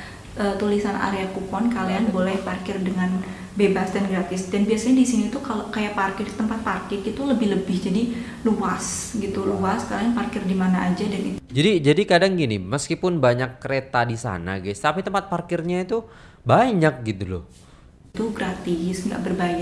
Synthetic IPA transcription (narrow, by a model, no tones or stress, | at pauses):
ʔət̪ulisanʔa̰ɾeakupɔnkalianbolɛhparkɪrdəŋan | bebasdanɡɾat̪ɪsdanbiasaɲadisiɲait̪ukalokajaʔparkɪrt̪əmpat̪̚parkɪrit̪uləbɪhləbɪhd͡ʒadi | luasɡit̪uluaskalianparkɪrdimanaʔad͡ʒadanḭt̪d͡ʒadid͡ʒadikadaŋɡinḭməskipʊnbaɲakːəɾet̪adisa̰na̰ɡast̪apit̪əmpat̪̚parkɪrɲait̪u | baɲak̚ɡit̪ulɔ̰ | t̪uɡɾat̪ɪsŋɡa̰ʔbərbaja